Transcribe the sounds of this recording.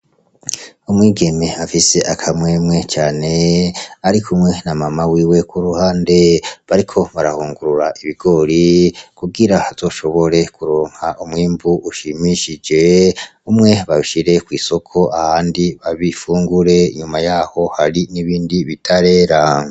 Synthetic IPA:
umwiːɡe̞me̞afise̞ʔakʰamwe̞ːmŋe̞t͡ʃaːne̞aɾikʰumŋe̞namamawiːwe̞kuɾuhaːnde̞βaɾikʰo̞βaɾahuːŋɡuɾuɾaʔiβiɡ̥o̞ɾikuɡiɾahaz̥o̞ːʃo̞βo̞ɾe̞kuɾoːŋhaʔumwiːmbuʔuʃimiʃid͡ʒe̞umŋe̞βaβiʃiɾe̞kwiːso̞kʰo̞ahaːndiβaβifuːŋɡuɾe̞iɲumajaːho̞haɾiniβiːndiβitʰaɾe̞ːɾa

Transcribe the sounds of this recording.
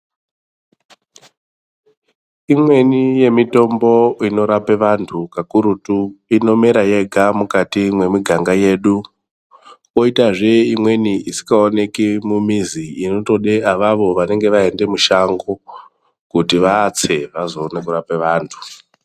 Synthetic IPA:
imwe̞nije̞mito̞mbo̞ino̞ɾapeʋantʰukakuɾutuino̞meɾaje̞ɡʱamukatimwe̞miɡʱaŋɡaje̞ːɗu | ko̞itaʐe̞imwe̞niisi̥kaone̞kimumiziino̞to̞ɗeaʋaʋo̞ʋane̞ŋɡe̞ʋaende̞muʃaŋɡo | kutiʋaːt͡se̞ʋazo̞ːnekuɾapeʋaːntʰu̥

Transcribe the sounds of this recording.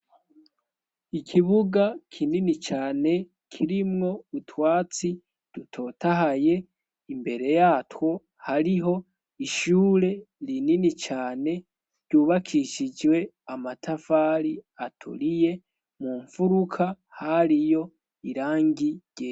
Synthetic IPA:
ikʰiβuɡakʰininit͡ʃaːne̞ | kʰiɾimŋo̞utwaːt͡si | d̥utʰo̞ːtaɦaje̞ | imbe̞ɾe̞jaːtwo̞ | haɾiɦo̞ | iʃuːɾe̞ | ɾininit͡ʃaːne̞ | ɾɟ̥uːβakʰiʃid͡ʒwe̞ | amatʰafaːɾiatʰṵɾije̞ | muːɱfuɾukʰa | haɾijo̞ | iɾaːŋɡiɟ̥e

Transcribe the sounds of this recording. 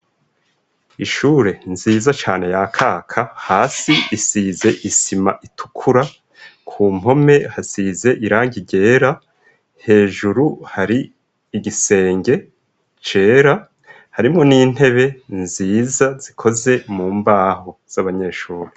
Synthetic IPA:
iʃuːɾe̞nziːzat͡ʃaːne̞jakʰaːkʰahaːsiisiːze̞ʔisimaʔitʰu̥kʰuɾa | kʰuːm̥ho̞me̞hasize̞ʔiɾaːŋɡiɟe̞ːɾa | he̞ːʒuɾuhaɾiː | ɡise̞ːŋɡe̞ | t͡ʃe̞ːɾa | haɾimŋo̞niːn̥he̞βe̞nziːzaz̥ikʰo̞ze̞muːmbaːho̞z̥aβaɲe̞ʃuːɾe

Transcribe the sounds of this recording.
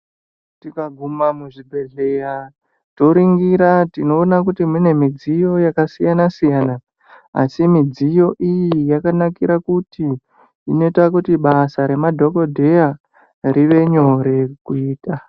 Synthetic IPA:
tikaɡʱumamuʐibʱe̞ɮe̞ra | to̞ɾiŋɡiɾatino̞ːnakutimine̞mid͡zijo̞jakasijanasijaːna | a̰simid͡zijo̞ʔijijakanakiɾakutiː | no̞itakutiɓasaɾe̞madʱo̞ko̞dʱe̞ja | ɾiʋe̞ɲo̞ɾe̞kuiːta

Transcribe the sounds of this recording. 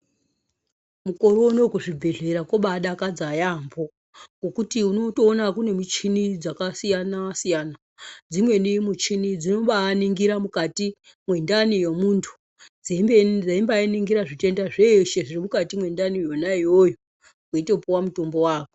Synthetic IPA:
muko̞ɾono̞kuʐibʱe̞ɮe̞ɾakoɓaɗakad͡zajambo̞ | ɡo̞kutiuno̞to̞ːnakune̞mut͡ʃinid͡zakasijanasijaːna | d͡zimwe̞nimut͡ʃinid͡zino̞ɓaniŋɡiɾamukati | mwe̞ndanijomuntʰu̥ | d͡zemd͡zaimbainiŋɡiɾaʐite̞ndaʐeʃeʐirimukatimwe̞ndanijo̞naijojo | koitopowamuto̞mbo̞waːko

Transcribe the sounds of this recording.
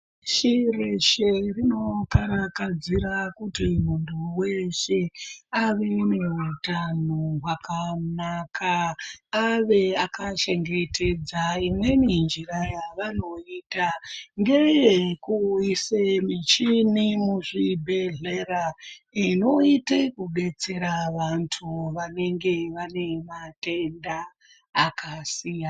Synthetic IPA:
ʃireʃe̞rino̞kaɾakad͡zirakutimuntʰuweʃeaʋe̞neɦutanoɦwakanakʰaː | ʋe̞akaʃe̞ŋɡe̞tʰe̞d͡zaimwe̞mind͡ʒirajaʋano̞itaŋɡe̞jekuisemit͡ʃinimuʐibʱe̞ɮeɾaino̞itekuɓe̞t͡se̞ɾaʋantʰuʋane̞ŋɡe̞ʋane̞mate̞ndaː | kasiːja

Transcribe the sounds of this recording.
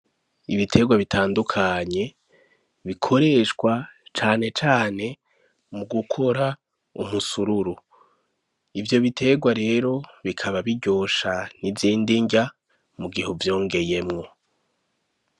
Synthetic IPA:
iβitʰe̞ɡwaβitʰaːndukʰaɲe̞ | βikʰo̞ɾe̞ʃkwat͡ʃaːne̞t͡ʃaːne̞ | muɡukʰo̞ɾa | ṵmusuɾuɾu | ivjo̞βitʰe̞ɡwaɾe̞ːɾo̞βikʰaβaβiɟo̞ːʃaniviːndiɲɟa | muɡihuvjo̞ːŋɡe̞je̞mŋo̞

